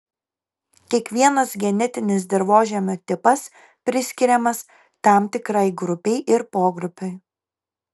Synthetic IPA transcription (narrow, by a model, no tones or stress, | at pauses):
kʲiɛkʋʲiɛnɐsɡʲɛnʲɛt̪ʲɪnʲɪs̬d̪ʲɪɾʋoːʒʲɛmʲoːt̪ʲɪpɐs | pʲɾʲɪsʲkʲɪɾʲɛmɐs | t̪ɑˑmt̪ʲɪkɾɐɪɡɾʊpʲɛɪʔɪɾpoːɡɾʊpʲʊɪ